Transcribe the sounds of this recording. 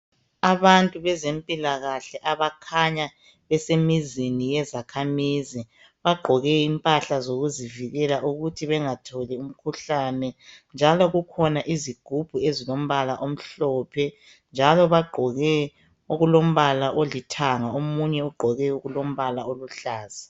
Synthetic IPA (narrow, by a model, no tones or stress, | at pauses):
aβantʼuβɛzempʼilaɣaɬɛʔaβakʰaɲa | βɛsemizinijɛzakʰamizi | βaɡ͡ǃʱɔɣɛimpʼaɬazoɣuziviɣɛlaʔuɣutʰiβɛŋatʰɔlium̩kʰuɬanɛnd͡ʒʱalɔɣukʰɔnaʔiziɡ̥ʱub̥ʱuezilom̩βalaʔom̩ɬɔːpʰɛ | nd͡ʒʱalɔβaɡ͡ǃʱɔɣɛ | uɣulom̩βalaʔolitʰaŋaomuɲɛuɡ͡ǃʱɔɣɛuɣulom̩βalaoluɬaːzi